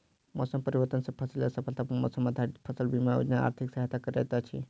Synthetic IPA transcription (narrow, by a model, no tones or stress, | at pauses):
mɔːsəmpəɾiʋəɾt̪ənsɐpʰəsiləsɐpʰəlt̪ʰapmɔ̰ːsəməd̪ʱaɾpʰəsəlbimajo̰d͡ʒnaa̰ɾt̪ʰiksaɦat̪akəɾɛ̰t̪at͡ʃʰi